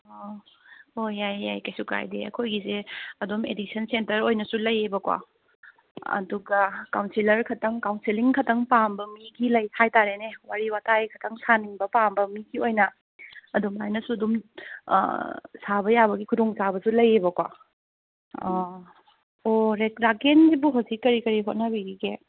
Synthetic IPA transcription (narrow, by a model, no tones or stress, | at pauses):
ojaja̰jkajsuka̰jdḛɐ̰kʰojɡizeɐdumḛdik̚sʰɐnsentɐɾojnɐsulɐjebɐkwa̰ | ɐ̰duɡɐkawnsilɐɾkʰɐtɐŋkawnsiliŋkʰɐtɐŋpambɐmiɡilɐjhajtaɾenewaɾiwatʰajkʰɐtʰɐŋsaniŋbɐpambɐmiɡiojnɐ | ɐdumajnɐsuɐdum̰ | sabɐjabɐɡikʰudoŋsabɐsulɐjebɐkwa̰ | oɾekɾakenɡibuɦowzikːɐɾikɐɾiɦot̚nɐbiɾiɡe